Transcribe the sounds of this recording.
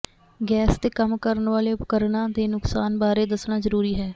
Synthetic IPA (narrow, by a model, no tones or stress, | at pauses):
ɡɛːst̪eːkəmkəɾənʋaːleːʊpkəɾɳaːd̪eːnʊksaːnbaːɾeːd̪əsɳaːzəɾuːɾiːɦɛː